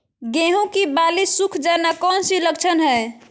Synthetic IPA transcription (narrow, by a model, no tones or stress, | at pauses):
ɡẽɦũkibalisukʰd͡ʒanakɔnsiləɡt͡ʃʰənɦəj